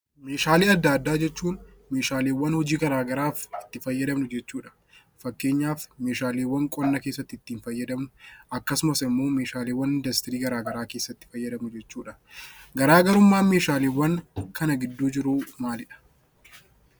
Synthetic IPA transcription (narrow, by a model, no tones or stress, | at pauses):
me̞ːʃaːleːɐd̪ːaːd̪ːaːd͡ʒɛt͡ʃːuːnme̞ːʃaːleːwːɐnhɔd͡ʒiːɡɐɾaːɡɐɾaːfɪ̥t̪ːɪfɐjːɐd̪ɐmnʊd͡ʒɛt͡ʃːuːᶑɐ̥ | fɐkːe̞ːɲːaːfme̞ːʃaːleːwːɐŋkʼɔnːɐkeːsːɐt̪ːɪɪt̪ːiːnfɐjːɐd̪ɐmnʊɐkːɐsʊmɐsɪmːo̞ːmeːʃaːleːwːɐnɪnd̪ɐst̪ɪɾiːɡɐɾaːɡɐɾaːke̞ːsːɐt̪ːɪ̥fɐjːɐd̪ɐmnʊd͡ʒɛt͡ʃːuːᶑɐɡɐɾaːɡɐɾʊmːaːme̞ːʃaːleːwːɐŋkɐnɐɡɪd̪ːuːd͡ʒɪɾumaːlɪᶑɐ̥